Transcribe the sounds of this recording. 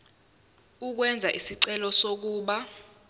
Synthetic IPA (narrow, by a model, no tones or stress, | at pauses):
uk̬wɛnd͡zʱaʔisiǀɛlɔsok̬uːɓa